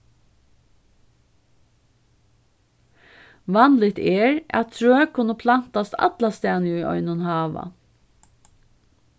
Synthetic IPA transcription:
ʋɑnlɪt̪ɛɹæ̰t̪̚t̪ʰɹøːkʰʊnəpʰlan̥t̪ast̪ɑ̰t̪last̪æːnəʏʔɔ̰ʏnʊnhɑːʋa̰

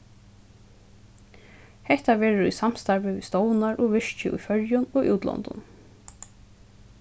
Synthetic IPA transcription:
hɛht̪aʋɛːɾʊɾṵjsam̥st̪aɾvɪʋist̪ɔwnaɹʔɔʋɪʂt͡ʃɪʔṵjfœɹjʊnɔʔṵːt̪lɔ̰nt̪ʊ̰n

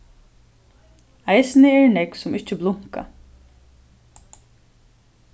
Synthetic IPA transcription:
ajsnɪɛɹnɛksʊmɪht͡ʃɪblˠʊŋ̥ka̰

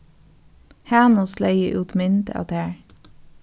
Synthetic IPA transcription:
hæːnʊslæɪə̰ʔʉːt̪mɪnd̪ə̰ʔɑ̰t̪æːɹ

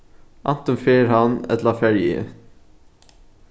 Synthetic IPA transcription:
ʔɑ̰nt̪ɔnfeːɾhɑnɛ̰t̪lɑfɛɹjḭ

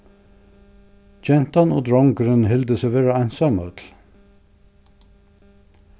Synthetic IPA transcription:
d͡ʒɛnt̪ɑno̰ːd̪ɹɔŋɡəɾənhɪld̪əseʋeːɹəæɪnsɑmœːt̪ʰl̩

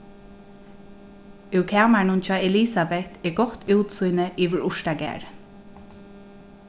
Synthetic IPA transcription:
ʉwkʰæːmaɳʊnt͡ʃʰɑːɛlisabɛt̪ʰɛɹɡɔt̪uːt̪sujnəʔiːʋɪɹʊʃtaɡæ̰ːɹ

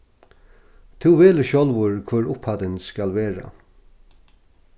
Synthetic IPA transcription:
t̪ʰɪwʋeːlɪʃɕɔlʋʊɹkʰvœɹʊphat̪ɪnskalʋeːɹa̰

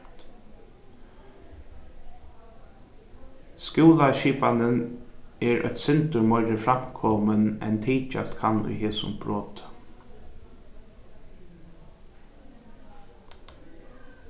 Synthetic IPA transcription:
skjuːlaʃiːpanənɛɾœ̰t̪sɪnt̪ʊɾmɔʏɾəfɾam̥kʰɔmənɛ̰nt̪ʰiːt͡ʃa̰st̪kʰanːʊ̰jheːsʊ̰mb̥ɹoːt̪

